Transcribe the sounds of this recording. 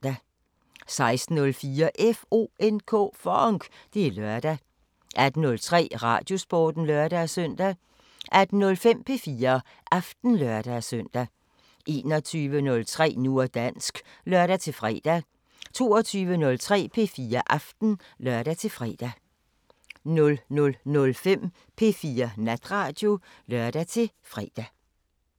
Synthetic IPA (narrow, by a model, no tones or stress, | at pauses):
æ | sɑ̈ɪsd̥n̩ɔ̽lfiːɐʔefo̝̰ːenkʰɔ̰fɒŋɡ̥d̥e̝lœɐ̰d̥æ | ʔæd̥ənɔ̽lt͡sʰʁɛ̰ːʁɑ̰̈ːd̥jo̝sb̥ɒ̰ːd̥n̩lœɐd̥æsœn̰d̥æ | ʔæd̥n̩nɔ̽lfem̰pʰe̝fiːɐ | ʔɑfd̥n̩lœɐd̥æsœn̰d̥æ | ʔe̝ːnɒt͡sʰyːʋənɔ̽lt͡sʰʁɛ̰ːnu̝ɐd̥æn̰sɡ̥ | lɶɐɾ̥æt͡sʰe̝lfʁɛ̰ːd̥æ | t͡sʰo̝ːɒt͡sʰyːʋənɔ̽lt͡sʰʁɛ̰ːpʰe̝fiːɐʔæfd̥n̩ | lɶɐd̥æt͡sʰe̝fʁɛ̰ːd̥æ | nɔ̽lnɔ̽lnɔ̽lfem̰ | pʰe̝fiːɐnæd̥ʁɑ̈ːd̥jo̝ | lœɐ̰d̥æt͡sʰe̝ | fʁɛːd̥æ